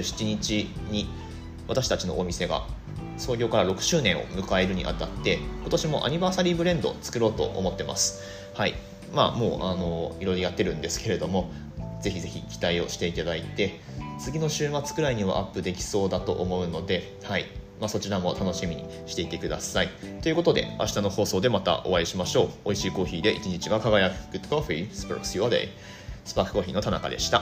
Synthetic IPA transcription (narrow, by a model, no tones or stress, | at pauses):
ɕi̥t͡ɕiɲ̟it͡ɕiɲ̟i | βat̪aɕi̥t̪at͡ɕino̞̰ʔomʲise̞ɡa̰ | so̞ːɡʲo̞ːkaɾaɾo̞kɯ̟̥ɕɨːnẽ̞ɰ̃o̞̰mɯ̟kae̞ɾɯ̟ɲ̟ḭʔa̰t̪at̪ːe̞ko̞t̪o̞ɕimo̞̰ʔa̰ɲ̟ibaːsaɾʲiːbɯ̟ɾẽ̞nd̪o̞̰t͡sɨ̥kɯ̟ɾo̞ːt̪o̞̰ʔo̰mo̞t̪ːe̞ma̰sɨ̥ | haḭ | ma̰mo̞ːʔano̞iɾo̞ɾojat̪ːe̞ɾɯ̟̃nd̪e̞sɨ̥ke̞ɾe̞d̪o̞mo̞ | d͡ze̞çize̞çʲikʲi̥t̪aio̞ɕi̥t̪e̞it̪ad̪ait̪e̞ | t͡sɨɡʲino̞ɕɨːmat͡sɨ̥kɯ̟ɾaiɲ̟iβa̰ʔapːɯ̟d̪e̞kʲi̥so̞ːd̪at̪o̞̰ʔomo̞ɯ̟no̞d̪e̞ | haimaso̞t͡ɕiɾamo̞t̪ano̞ɕimʲiɲ̟ḭ | ɕi̥t̪e̞it̪e̞kɯ̟d̪a̰sait̪o̞jɯ̟ko̞t̪od̪e̞̰a̰ɕi̥t̪ano̞ho̞ːso̞ːd̪e̞mat̪a̰ʔo̞̰βaiɕimaɕo̞ːoiɕiːko̞ːçiːd̪e̞ʔit͡ɕiɲ̟it͡ɕiβakaɡajakkɯ̟t̪o̥koɸɯisɨ̥pɯɾo̰ksβad̪a̰ḭ | sɨ̥pakɯ̥ko̞ːçʲiːno̞t̪ana̰ka̰d̪e̞ɕi̥t̪a